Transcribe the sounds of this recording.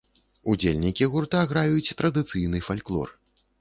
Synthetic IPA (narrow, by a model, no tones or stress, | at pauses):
ud͡zʲelʲnʲikʲiɣurt̪aɣɾajut͡sʲt̪ɾɐd̪ɨt̪sɨjnɨfalʲklˠɔ̰r